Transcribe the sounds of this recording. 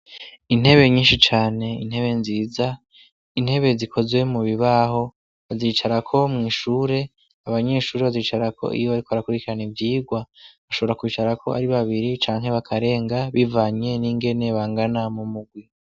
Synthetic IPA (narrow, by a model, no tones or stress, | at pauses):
in̥he̞βe̞ɲiːnʃit͡ʃaːne̞ḭn̥he̞βe̞nziːza | in̥he̞βe̞zikʰo̞zwe̞muβiβaɦo̞ | βaziːt͡ʃaɾakʰo̞mŋiːʃuːɾe̞ | aβaɲe̞ʃuːɾeβaziːt͡ʃaɾakʰo̞̰ʔḭjoβaɾikoaɾakuɾikiɾanivjiːɡwaβaʃo̞βo̞ɾakwiːt͡ʃaɾakʰo̞̰a̰ɾiβaβiɾit͡ʃaːŋɦe̞βakʰaɾe̞ːŋɡaβivaːɲe̞niːŋɡe̞ne̞βaːŋɡanamumuɡwi